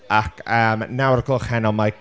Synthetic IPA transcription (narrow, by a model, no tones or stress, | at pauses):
akʰəmnawəɾəkʰɔlˠχhɛnɔmaj